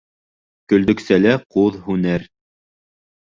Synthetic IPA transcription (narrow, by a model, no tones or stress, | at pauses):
kɵ̆ld̪ɵ̆ksælæquðhʉnæɾ